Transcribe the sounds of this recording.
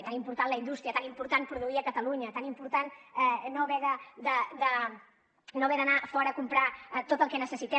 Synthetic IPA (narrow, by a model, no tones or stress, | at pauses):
t̪animpuɾt̪anləind̪ust̪ɾiət̪animpuɾt̪anpɾuðuiəkət̪əluɲət̪animpuɾt̪anɛnoβɛðəd̪əd̪ə | noβɛðənafɔɾəːkumpɾat̪ot̪əlˠkɛnəsəsit̪ɛ